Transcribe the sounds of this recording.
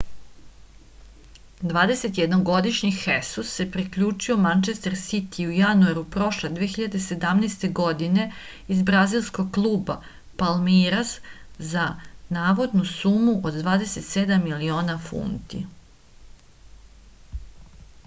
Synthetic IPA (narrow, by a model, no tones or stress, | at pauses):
d̪ʋaːd̪e̞se̞t̪jed̪noɡo̞d̪iʃɲixesusːe̞pɾikʎuːt͡ʃiomant͡ʃe̞st̪eɾsit̪ʰiujanuaɾupɾo̞ʃled̪ʋeeçiʎad̪e̞se̞d̪amnest̪e̞ɡo̞d̪ine̞ | izbɾazilˠsko̞ɡ̚klˠuːba | palmiɾaszanaːʋo̞d̪nusumuʔod̪d̪ʋaːd̪e̞se̞t̪sed̪amːilio̞ːnafṵːnt̪ḭ